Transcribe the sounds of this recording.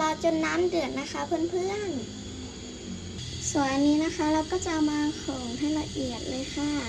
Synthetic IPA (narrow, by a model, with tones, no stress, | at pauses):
la˧wt͡ɕo˧˨nːaː˧˥˨mdɯ˨˩ə˦nːa˧˥xʰa˧˥pʰɯ˧˥˨npʰɯ˧˥˨ən | su˨˩˦ənːiː˧˥na˧˥xʰa˧˥la˧wkɔː˥˩t͡ɕa˧ʔwmaː˧kʰɔː˨˩˦ŋt̪ʰa˧˥˩jla˧ʔi˨˩ət̪̚lɤː˧jxʰa˧˥˩